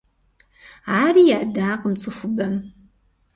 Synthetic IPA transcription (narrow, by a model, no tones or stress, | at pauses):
ʕaːriːjaːdaːqəmt͡sʼɨxʷʊbɐm